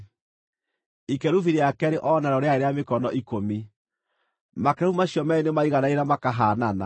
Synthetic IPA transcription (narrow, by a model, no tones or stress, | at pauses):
ikɛɾuviɾeakɛɾeʔɔnaɾɔɾeaeɾeamekɔnɔʔikomi | makumaɕjɔmɛinemaiɣanaeɾamakaɦaːnana̰